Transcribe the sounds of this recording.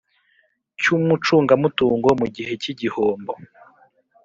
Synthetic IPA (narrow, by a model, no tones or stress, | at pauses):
cumut͡ʃuːŋɡamutuːŋɡo̞muɟihe̞ciɟihoːmbo